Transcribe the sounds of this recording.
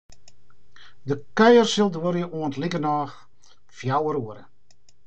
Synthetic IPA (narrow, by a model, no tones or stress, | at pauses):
dəkœjərsəlˠdwoɾjəʔuəntlikənaːx | fjawəɾuəɾə̰